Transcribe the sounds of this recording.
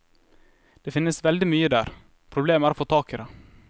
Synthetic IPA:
d̪̥eːfɪnːəsʋɛld̪ɪmyːəd̪æːɾ | pʰɾʊbleːmæːɾofoːt̪ʰɑːkɪɾɛ

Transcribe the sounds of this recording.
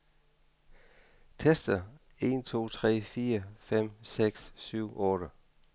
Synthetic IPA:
t͡sʰesd̥ɐ | e̝̰ːnt͡sʰo̝̰ːt͡sʰʁɛ̰ːfiːɐfem̰seɡ̥sːyʊ̰ʔɔ̽ːɾə

